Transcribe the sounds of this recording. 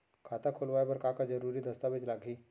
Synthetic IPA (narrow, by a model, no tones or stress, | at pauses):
kʰat̪akʰolʋajbəɾkakad͡zəɾuɾiːd̪əst̪abed͡ʒlaɡʱiː